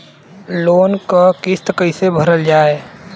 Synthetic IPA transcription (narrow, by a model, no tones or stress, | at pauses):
loːnkakɪst̪kəɪsebʱəɾəld͡ʒaːeː